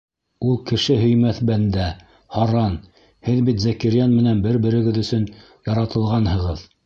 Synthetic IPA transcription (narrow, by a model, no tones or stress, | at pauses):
ulˠkɘ̆ʃɘɦɵ̆jmæθbænd̪æ | hɑɾɑn | hɘðbit̪zækɘɾjanmɘ̆nænbɘɾbɘ̆ɾɘ̆ɡɘðɵ̆sɵn | jɑɾɑt̪ɤ̆lˠʁɑnhɤ̆ʁɤð